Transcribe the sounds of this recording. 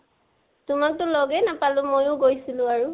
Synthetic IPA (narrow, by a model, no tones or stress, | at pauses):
tʊmak̚tʊlɔɡɛnapalʊ̃mojʊ̃ɡojsilʊ̃aɹu